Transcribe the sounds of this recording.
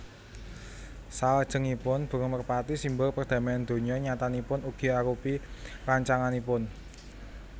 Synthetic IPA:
sald̥ʒ̥ə̤ŋipʊnb̥ə̤ɾɔmərpat̪isimbʊrpərd̪̥ä̤maand̪̥o̤ɲɔɲat̪anipʊnuɡ̥i̤aɾupiraɲt͡ʃaŋanipʊn

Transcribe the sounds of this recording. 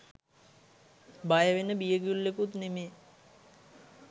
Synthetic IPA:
bajəʋenəbijəɡulːekut̪nemeː

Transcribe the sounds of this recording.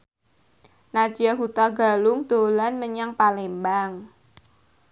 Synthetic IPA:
nḁd͡ʒ̥iaɦut̪aɡa̤lʊŋd̪̥olanməɲaŋpalembaŋ

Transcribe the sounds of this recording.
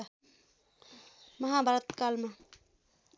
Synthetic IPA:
mɐɦabʱaɾət̪kalme

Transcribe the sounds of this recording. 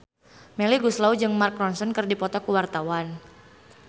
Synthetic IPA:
mɛliɡuslawd͡ʒɨŋmark̚ɾɔnsɔnkɨrdipɔt̪ɔkuwart̪awan

